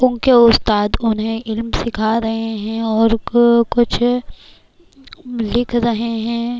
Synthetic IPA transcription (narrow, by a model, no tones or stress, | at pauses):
ʊ̃nkeʊst̪aːd̪ʊnɦẽʔɪlmsɪkʰaɾɐɦeɦɛ̃ɔːɾkʊt͡ʃʰ | lɪkʰɾɐɦeɦɛ̃ː